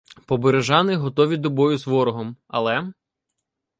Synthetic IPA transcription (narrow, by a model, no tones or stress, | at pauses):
pɔbeɾeʒɑnɪɦɔt̪ɔʋʲid̪ɔbɔjʊzʋɔɾɔɦɔmɐ̰lˠɛ